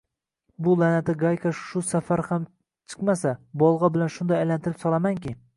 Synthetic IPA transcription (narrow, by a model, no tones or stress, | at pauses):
bʊlanat̪ʰɪɡajkʰaʃʊsafaɾham | t͡ʃʰɨ̥qmasabɒlˠʁɑbɪlanʃʊnd̪ajajlant̪ʰɪɾɪpsɒlˠamaŋkʲɪ